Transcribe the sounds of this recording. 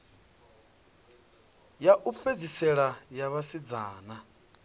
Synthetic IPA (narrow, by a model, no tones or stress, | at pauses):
jaʔufed͡zisɛɺajaβasid͡zaːna